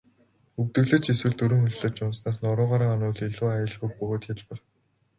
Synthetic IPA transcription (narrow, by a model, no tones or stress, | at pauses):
ɵkt̪ɘ̆ɣɮɘ̆t͡ɕeswɘ̆ɮt̪ɵɾɵ̆ŋxɵɮɮŏːt͡ɕʊmsnaːs̬nʊɾʊːʁaːɾə̆ŋɔnʊːɮiɮuːajə̆ɮɣujk̚pɵɣoːt̪xʲaɮpə̆r